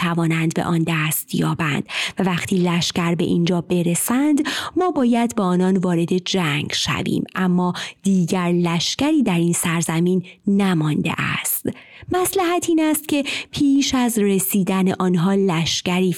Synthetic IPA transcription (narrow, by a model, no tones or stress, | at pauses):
ævɒːnænd̪be̞̰ʔɒnd̪æːst̪ʰjɒ̰ːbænd̪̥vævæxt̪ʰiːlæʃcæɾbe̞̰ʔind͡ʒɒːbe̞ɾe̞sænd̪mɒːbɒːjæd̪beɒːnɒːnvɒːɾe̞d̪e̞d͡ʒæŋɡʃæ̰vḭːmʔæmːɒːd̪̥iːɟæɾlæʃcæɾiːd̪æɾiːnsæɾzæmiːnːæmɒnd̪ḛʔæ̰st̪ | mæslæɦæt̪ʰiːnæst̪̚cʰe̞pʰiːʃæzresiːd̪æne̞ʔɒːnɦɒːlæʃcæɾiː